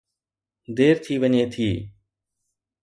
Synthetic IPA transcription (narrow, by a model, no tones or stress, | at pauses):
d̪eːɾt̪ʰiːʋəɲeːt̪ʰiː